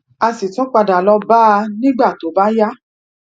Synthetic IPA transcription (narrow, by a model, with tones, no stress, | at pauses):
a˧si˨tɔ̃˨˦k͡pa˧da˨lɔ˧˦ba˦˧nĩ˦ɡ͡ba˦˨to˨˦ba˦ja˦